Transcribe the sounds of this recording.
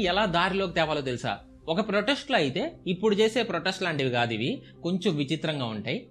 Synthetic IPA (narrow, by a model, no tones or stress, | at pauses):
ɛlaːd̪aːɾilo̞ːkit̪ɛːʋaːloːt̪elisa̰ː | ɔkɐpɾoʈesʈloːɐjit̪e̞ːipːuɽut͡ʃe̞ːse̞ːpɾoʈesʈlaːɳɖiʋiɡaːd̪iʋi | ko̞ɲt͡ʃomʋit͡ʃit̪ɾɐŋɡaːuɳʈaːji